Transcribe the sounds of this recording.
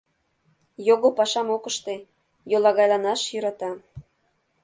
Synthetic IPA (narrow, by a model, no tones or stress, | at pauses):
joɣopɑʃɑmokəʃt̪e | jolˠɑɣɑjlɑnɑʃjyɾɑt̪ɑ